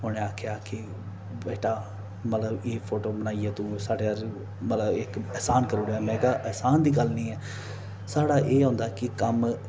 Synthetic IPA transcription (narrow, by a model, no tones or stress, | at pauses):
ɦʊnẽːaːkʰjaːkɪ | beːʈaː | mət̪ləbeːpʰoːʈoːbənaːiːeːt̪ũːsaːɖeːəɾ | mət̪ləbɪkɛːsaːnkəɾoːɽeaːmɛ̃ːkaːʔɛːsaːnd̪iːɡəlnĩːɛː | saːɽaːʔeːɦõːnd̪aːkɪkəm